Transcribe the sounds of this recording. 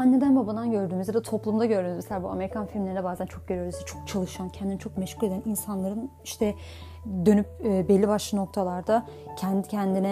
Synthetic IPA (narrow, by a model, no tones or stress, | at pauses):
anːe̞d̪ænbaband̪anɟø̞ɾd̪yːmyzjad̪at̪ʰo̞plˠumd̪aɟøɾd̪ynyzmeselʲaːbuame̞ɾikʰanfilɾʲmlʲeinɛbaːzænt͡ʃʰo̞k̚ɟøɾijo̞ɾuzjat͡ʃʰo̞k̚t͡ʃʰalˠɯʃancʰɛnd̪inɛt͡ʃʰo̞k̚mɛʃkʰuɾe̞d̪æninsanlˠaɾɯn | iʃt̪ʰɛ | d̪ønypːbɛlʲːibaʃlˠɯno̞k̚t̪ʰalˠaɾd̪a | cʰɛnd̪icʰɛnd̪inɛ